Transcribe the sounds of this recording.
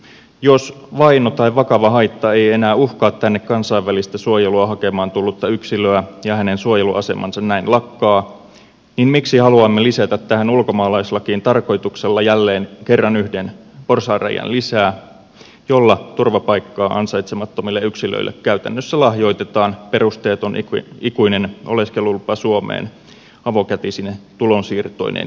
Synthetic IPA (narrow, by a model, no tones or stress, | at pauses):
josʋɑinot̪ɑiʋɑkɑʋɑɦɑjt̪ːɑe̞je̞næːuhkɑːt̪tːænːekkɑnsɑjʋːælist̪æsuojeluɑɦɑke̞mɑːnt̪ulːut̪ːɑyksiløæjɑhæne̞nsuojeluʔɑse̞mɑ̰nsɑnnæinlɑkːɑː | ninmiksihɑluɑmːeliset̪æt̪t̪æhænulko̞mɑːlɑjslːɑkiːnt̪ɑrko̞jt̪ukselːɑjælːe̞ːnkerːɑnyhdenporsɑːræ̰jɑ̰nlisæː | jolːɑt̪urʋɑpɑikːɑːʔɑnsɑit̪semɑt̪ːomilːeyksilø̰ilːḛkkæyt̪æ̰nːøsːælɑhjo̞it̪et̪ɑːnperust̪eːt̪onikuinenʔo̰leskelulpɑsuomḛːn | ɑʋokæt̪isinːet̪ulonsiːrt̪o̰inḛn